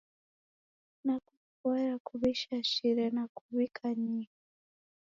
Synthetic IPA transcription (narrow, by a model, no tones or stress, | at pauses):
naku | kwɛɾakuβiʃaʃiɾɛnakuβikʰaɲiha